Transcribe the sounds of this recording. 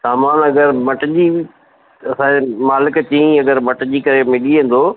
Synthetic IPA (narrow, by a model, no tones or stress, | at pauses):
saːmaːnɐɡəɾmɐʈd͡ʑi | ɐsãːmaːlɪkt͡ɕiĩɐɡəɾmɐʈd͡ʑiːkɐɾemɪɗiɦẽːn̆d̪oː